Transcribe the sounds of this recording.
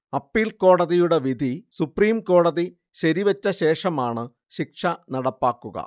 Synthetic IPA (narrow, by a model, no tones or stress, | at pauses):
ɐpːiːlko̞ːɽɐðijuɽe̞ʋid̪ʱisupriːmko̞ːɽɐði | ɕɐɾiʋɐt͡ɕːɐɕe̞ːʂɐmaːɳɨ | ɕikʂɐnɐɽɐpːaːkːuɣɐ̰